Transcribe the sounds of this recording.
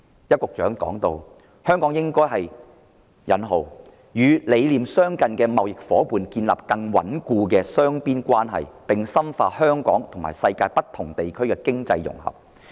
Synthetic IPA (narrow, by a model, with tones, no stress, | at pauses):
jɐ˥t̚kʊ˨k̚t͡ʃœː˨˥ŋkɔ̰ː˨˥ŋt̪o˧w | hœː˥ŋkɔː˨˥ŋjɪ˥ŋkɔː˥jɦɐ˨j | jɐ˨˥nɦo˨w | jyː˨˧le˨˧jliː˨msœː˥ŋkɐ˨˧nkɛː˧mɐ˨wjɪ˨k̚fɔː˨˥puː˨nkiː˧nla̰ː˨p̚kɐ˧ŋwɐ̰˨˥nkuː˧k̬ɛː˧sœː˥ŋpiː˥nkʷaː˥nɦɐ̰˨jpɪ˨ŋsɐ˥mfaː˧hœː˥ŋkɔ̰ː˨˥ŋt̪ʰʊ˨˩ŋma̰ː˨˩jsɐ˧jkaː˧jpɐ˥t̪ʰːʊ˨˩ŋt̪e˨jkʰɵ˥ɥkɛː˧kɪ˥ŋt͡sɐ˧jːʊ̰˨˩ŋhɐ̰˨˩p̚